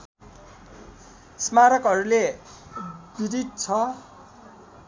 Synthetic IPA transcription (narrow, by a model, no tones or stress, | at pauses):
smaɾʌkɦʌɾule | biɾit̪̚t͡sʰʌ